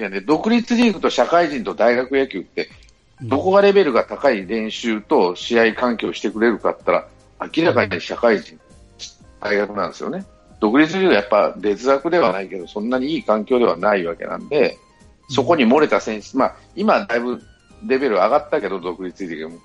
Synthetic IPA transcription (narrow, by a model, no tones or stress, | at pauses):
and̪ed̪o̞kɯ̟ɾʲit͡sɨɾʲiːkɯ̟t̪o̞ɕakaiʑĩnt̪o̞d̪aiɡakɯ̟jakʲɨːt̪ːe̞ | d̪o̞ko̞ɡaɾe̞be̞ɾɯ̟ɡat̪akaiɾẽ̞ɰ̃ɕɨːt̪o̞ɕiaikãŋkʲo̞ːɕi̥t̪e̞kɯ̟ɾe̞ɾɯ̟ka̰t̪ːaɾa̰ː | kʲiɾakaɲiɲiɕakaiʑĩn | d̪̥aiɡakɯ̟nãnd̪esɨjone̞ | d̪̥o̞kɯ̟ɾʲit͡sɨɾʲiːɡɯjapːa̰d̪e̞t͡sɨɾakɯd̪e̞β̞anaike̞d̪o̞sõ̞nːaɲ̟iiːkãŋkʲo̞ːd̪e̞βanaiβake̞̰nã̰nd̪e̞ | so̞ko̞ɲ̟imo̞ɾe̞t̪asẽ̞ɰ̃ɕi̥t͡sɨma | imad̪aibɯ̟ | ɾe̞be̞ɾɯ̟aɡat̪ːake̞d̪o̞d̪o̞kɯ̟ɾʲit͡sɨɾʲiɡɯ̟mɯ